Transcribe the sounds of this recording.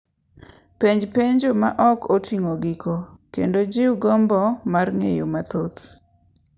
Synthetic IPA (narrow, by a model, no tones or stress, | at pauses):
peɲd͡ʒpeɲd͡ʒomaʔɔkotʰiŋoɡikokendod͡ʒɪwɡɔmbɔmarŋejomat̪ot̪